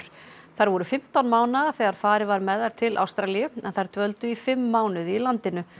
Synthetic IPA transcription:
ɾ̥ | θaɾvɔɾʏfɪm̥t̪awnmaːwnaðaθɛɣaɾ̥faːɾɪvaɾmɛðaɾ̥t̪ʰɪlʔa̰wst̪ɾalijʏɛnθaɾ̥t̪ʰvœlt̪ʏifɪmːaːwnʏðilant̪ɪnʏ

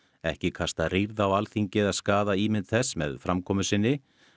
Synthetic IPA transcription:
ɛ̰hcɪkʰast̪aðriɾðawalθiɲcɪðaðskaːðaiːmɪnt̪θɛsːmɛ̰ðfɾamkʰɔːmʏsɪnːɪ

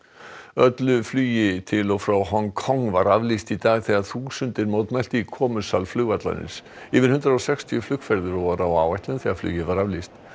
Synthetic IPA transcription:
œt̪lʏflyːjɪt̪ʰɪlɔɣfɾawɦɔŋkʰɔŋvaɾavlist̪it̪aːɣθɛɣaɾ̥θusʏnt̪ɪɾmoːwt̪mɛl̥t̪ɪikʰɔːmʏsalflʏɣvat̪la̰nɪ̰ns | iːvɪnhʏnt̪ɾaowsɛkst̪ʰiʏflʏkfɛɾðʏɾɔɣvaɾawaːwajht̪lʏnθɛɣaɾfly̰ːjɪvaɾavlist̪

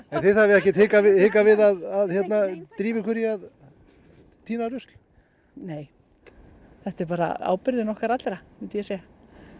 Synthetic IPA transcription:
ɛnθɪðθavɪɛhcɪt̪hɪːkavɪhɪːkavɪðaðaðçjɛt̪nat̪ɾiːvɪkʰvɛɾjɪað | t̪ʰiːnaɾʏst̪l̥ | neːj | θɛht̪ɛɾpaːɾa̰a̰ːwpɪɾðɪnɔhkaɾat̪ɾamɛnt̪ʏjɛseja

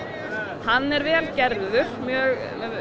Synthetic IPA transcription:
hanːɛɾvɛːlcɛɾðʏɾ̥mjœːɣ

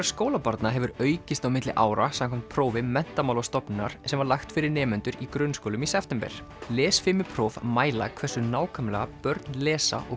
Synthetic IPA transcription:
aɾ̥skoːwlapaɾt̪naɦɛvʏɾœːɥcɪst̪awmɪt̪lɪʔaːwɾasamkʰamt̪̚pʰɾoːwvɪmɛn̥t̪amawlast̪ɔpnɪnaɾ̥sɛmvaɾlaxt̪fɪɾɪɾnɛːmʏnt̪ʏɾikɾʏnskowlʏmisɛft̪ɛmpɛ̰ɾ̥ | lɛːsfɪmɪpʰɾoːvmaːjla̰kʰvɛ̥sʏnaːwkʰœmlɛɣapœɾt̪nlɛːsa̰ʔɔ̰

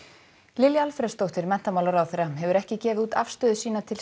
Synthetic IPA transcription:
lɪljaalfɾɛst̪owht̪ɪɾmɛn̥t̪amaːwlaɾawθejɾaɦɛvʏɾɛhcɪcɛːvɪðuːt̪afst̪œːðʏsiːnat̪ʰɪl

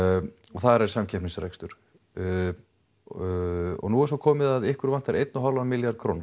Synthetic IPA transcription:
ɔθaðɾɛɾ̥samcʰɛhpnŋsɾejkst̪ʏɾ̥ | ɔ̰ɣnuɛɾ̥sɔwkʰɔːmɪðaðɪhkʏɾvant̪aɾʔejt̪naɦalvamɪljaɾd̪̚kʰɾown

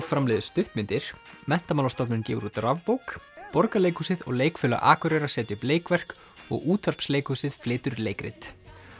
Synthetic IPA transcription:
fɾamlɛːðʏst̪ʏht̪mɪnt̪ɪɾ̥ | mɛn̥t̪amaːlast̪ɔpnʏncɛːvʏɾut̪ɾavpowkpɔɾkaleːjkusɪðɔ̰ɣleːjkfʏːla̰ʔaːkʏɾɛːɾḁsɛːt̪jɪʏpleːjkvɛr̥k | ɔ̰ɣuːt̪ʰvar̥psleːjkusɪðflɪːt̪ʏɾleːjkɾɪ̰t̪

